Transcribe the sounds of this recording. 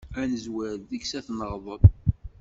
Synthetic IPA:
ænəzwæɾððəksæθnəʁðˤəðˤ

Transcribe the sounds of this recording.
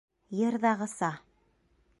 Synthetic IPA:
jɤ̆ɾðɑʁɤ̆sɑ

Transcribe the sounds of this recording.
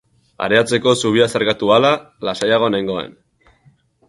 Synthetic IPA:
a̰ɾe̞at͡se̞ko̞suβ̞iasaɾkat̪uala | lasajaɣ̞o̞najŋɡo̞e̞̰n

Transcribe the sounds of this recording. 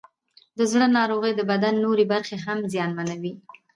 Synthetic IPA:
d̪əzɽənɑɾoɣəjd̪əbad̪anːoɾebaɾxeɦamzjɑnmanawi

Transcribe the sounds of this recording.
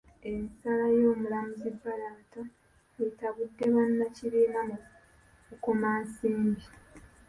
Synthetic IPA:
e̞misalajo̞ːmulamuzibːalaːta | etaβudːe̞βanːaciɾiːmamu | kuko̞maːnsiːmbi

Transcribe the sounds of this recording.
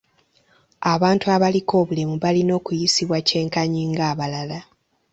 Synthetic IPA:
aβaːntuaβaliko̞ːβulimuβalino̞ːkujisiβwace̞ːŋkaɲiːŋɡaːβalala

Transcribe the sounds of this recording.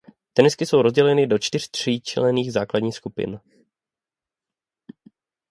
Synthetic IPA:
t̪ɛnɪskɪso̞wɾo̞zɟɛlɛnɪdo̞t͡ʃt̪ɪr̝̥t̪r̝̥iːt͡ʃɛ̰lɛniːɣzaːkladɲiːxskupɪ̰n

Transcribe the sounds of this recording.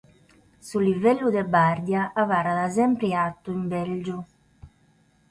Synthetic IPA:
sulivɛlːud̪ɛbard̪jaʔavaːɾaðazɛmpɾiat̪ːuimbɛld͡ʒu

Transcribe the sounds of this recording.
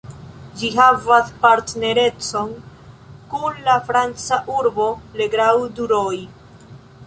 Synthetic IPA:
d͡ʒiɦavaspaɾtne̞ɾe̞t͡so̞n | kunlafɾant͡saʔuɾbo̞le̞ɡɾawduɾoj

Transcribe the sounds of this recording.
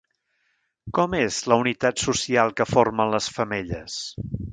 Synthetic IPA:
kɔmezləunit̪at̪susialˠkəformənləsfəmeʎə̰s

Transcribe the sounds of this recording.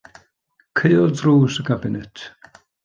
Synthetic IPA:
kʰejɔdruːsəkʰabɪnɛtʰ

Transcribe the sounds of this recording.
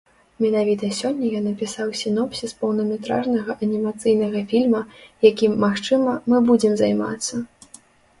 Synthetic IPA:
mʲɛnavʲit̪ɐsʲɔnʲːɐjɔnːɐpʲisawsʲinɔpsʲispɐwnɐmʲɛt̪ɾa̰ʐnɐɣɐʔɐnʲimat̪sɨjnɐɣɐfʲilʲmɐjakʲimːaxt͡ʂɨmɐmɨbud͡zʲɛmzajma̰t̪sːɐ

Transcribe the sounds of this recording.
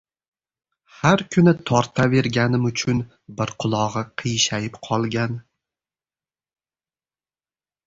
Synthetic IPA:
haɾkʰʊnɪt̪ʰɒɾt̪ʰave̞ɾɡʲanɪmʊt͡ʃʰʊn | bɪɾqʰʊlˠɒʁɨqʰɨjʃajɪpqʰɒlˠɡʲan

